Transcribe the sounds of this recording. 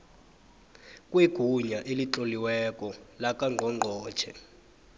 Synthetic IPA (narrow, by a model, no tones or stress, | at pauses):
kʼweɡ̥ʱuɲaʔeliǁoliwɛkʼɔlakaŋʱɔŋ͡ǃʱɔ̥ːt͡ʃʰɛ